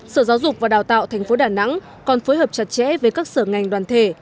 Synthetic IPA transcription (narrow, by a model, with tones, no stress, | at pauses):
səː˧˩zaː˨˦wzʊ˨˩k͡p̚vaː˨˩ɗaː˨˩wt̪a̰ː˧˨wt̪ʰɛ˨˩jŋ̟fo˨˦ɗaː˨˩na̰˧˥ŋ | kɔ˨˩nfoː˨˦jɦəː˨˩p̚t͡ɕa˨˩t̚t͡ɕɛ̰˧˥vəː˨˦jkaː˦˥k̚səː˧˩ŋa˨˩jŋ̟ɗwaː˨˩nt̪ʰe˧˩